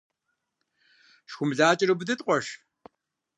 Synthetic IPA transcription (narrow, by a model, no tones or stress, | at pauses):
ʃxʷʊmɮaːt͡ʃʼɪɾɨbɨdɐtʼqʷʼɔʃ